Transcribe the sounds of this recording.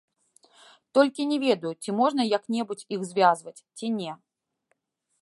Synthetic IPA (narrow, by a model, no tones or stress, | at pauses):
t̪ɔlʲkʲinʲɛvʲɛd̪ɐjut͡sʲimɔʐnɐjɐknʲɛbut͡sʲixzvʲazvɐt͡sʲt͡sʲinʲɛ